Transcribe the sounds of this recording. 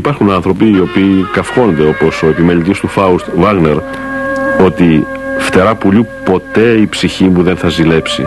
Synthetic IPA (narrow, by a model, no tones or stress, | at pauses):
ipɐɾxunɐnθɾo̞piːo̞piːkɐfxo̞nd̪e̞o̞po̞so̞e̞pime̞lit̪ist̪ufɐust̪vɐɣne̞ɾ | o̞t̪i | ft̪e̞ɾɐpuʎupo̞t̪e̞ipsiçimuðe̞nθɐzile̞psḭ